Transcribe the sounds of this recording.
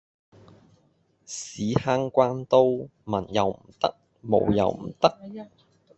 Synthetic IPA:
siː˨˥haː˧ŋkʷaː˧nt̪o˧wmɐ˨˩njɐ˨wm̩˨˩t̪ɐ̰˥k̚ | mo̰˨˧wjɐ̰˨˧wm̩˨˩t̪ɐ˥k̚

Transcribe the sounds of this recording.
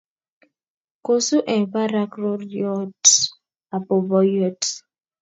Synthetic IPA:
ko˨su˦ʔɛ˨ba˦ɾa˦kɾo˦ɾjɔ˦t | a˨pʊ˨bɔ˦jɔ˦t

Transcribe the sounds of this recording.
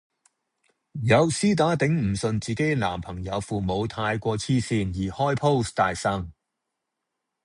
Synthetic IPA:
jɐ˨˧wsiː˥t̪aː˨˥t̪ɪ˨˥ŋm̩˨˩sɵ˧nt͡siː˨ke˨˥jlaː˨˩mpʰɐ˨˩ŋjɐ˨˧wfuː˨mo˨˧wt̪ʰaː˧jkʷɔː˧t͡sʰiː˥siː˧njiː˨˩hɔː˥jpʰo˥wst̪aː˨jsɐ˥ŋ

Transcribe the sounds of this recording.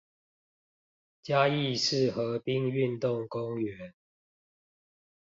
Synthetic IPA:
t͡ɕja˦i˥˨ʂɻ̩˥˨xɤ˨˦pi˦ŋy˥˨nt̪ʊ˥˨ŋko˦ŋɥɛ˨˦n

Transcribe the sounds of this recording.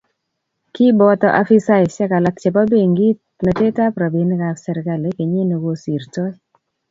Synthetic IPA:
ki˦bɔ˦t̪ɔ˨ʔa̰˦fi˦sa˦iʃɛ˦ka˨la˨k̚t͡ʃe˨pa˦be˦ŋɡi˦t | na˨te˦ta˦pɾa˨bi˨nka˨ksɛ˨ɾka˦le˨˦ke˨ɲe˦ne˨wo˦si˨ɾt͡ʃɔ˦

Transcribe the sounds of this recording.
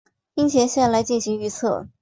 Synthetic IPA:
i˥ŋt͡ɕʰjɛ˧˥ɕjɛ˥˩nla˧˥ɪt͡ɕi˥˩nɕi˧˥ŋy˥˧t͡sʰɤ̰˥˩

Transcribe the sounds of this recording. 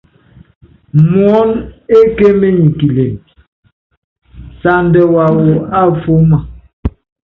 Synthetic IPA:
mwɔ˨˦ne˦ke˦me˦ɲi˨ki˨le˨ | sa˨ndɛ˨wa˨wo˨a˦fo˦ma˨

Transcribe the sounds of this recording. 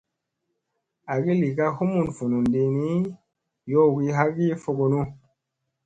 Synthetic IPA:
a˨ɡi˦li˨ɡa˦hu˦mu˨nfu˨nu˨ndi˧ni˦ | jo˦˨ɡi˦ɦa˦ɡi˦fo˧ɡo˨nu˦

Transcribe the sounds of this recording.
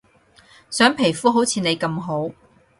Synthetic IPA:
sœː˨˥ŋpʰe˨˩jfuː˥ɦo˨˥wt͡sʰiː˧ne˨˧jkɐ˧mɦo˨˥w

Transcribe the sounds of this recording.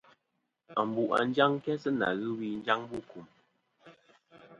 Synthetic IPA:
a˨m˨bu˨ʔa̰˨n˦d͡ʒa˦ŋ˦kɛ˦sə˦na̰˨ɣɨ˦wi˦n̩˦d͡ʒa˦ŋbu˦˨ku˨m

